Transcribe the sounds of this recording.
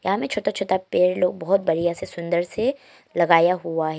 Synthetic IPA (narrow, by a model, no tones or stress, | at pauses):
jɐɦãmẽt͡ʃʰoːt̪at͡ʃʰoːt̪apeːɾloːɡ̚bɔɦʊt̪̚bɐɾijasesʊ̃nd̪əɾse | lɐɡaːjaɦuaɦɛ